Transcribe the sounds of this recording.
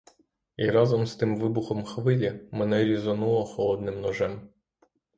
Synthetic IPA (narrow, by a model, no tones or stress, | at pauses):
iɾɑzɔmst̪ɪmʋɪbʊxɔmxʋɪlʲimɛnɛɾʲizɔnulˠɔxɔlˠɔd̪nɪmnɔʒɛm